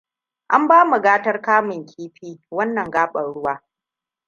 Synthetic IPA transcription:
ʔa˦mbaː˦mu˨ɡaː˦tɐ˦rkaː˦mʊ˨ŋkʲʰiː˦ɸiː˦wɐ˦nːɐ˨ŋɡaː˦ɓɐ˨nɽʊ˦waː˦

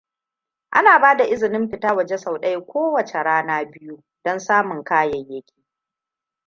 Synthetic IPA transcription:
ʔa̰˦naː˨baː˦da˨ʔɪ˦zɪ˨nɪ˦mɸɪ˨taː˦wɐ˨d͡ʒe˦sa˨wɗɐ˦jkʷoː˦wɐ˨t͡ʃe˨ɽaː˦naː˦bɪ˦ju˦ | d̥ɔ˦nsaː˦mʊ˨ŋkaː˦jɐ˨jjːɐ˦kʲi̥ː˨

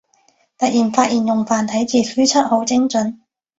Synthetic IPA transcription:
t̪ɐ˨t̚jiː˨˩nfaː˧˥t̚ʔiː˨˩njʊ˨˩ŋfaː˨˩nt̪ʰɐ˨˥jt͡siː˨˧fyː˥t͡sʰɐ˥t̚ho˨˥wt͡sɪ˥ŋt͡sɵ˨˥n

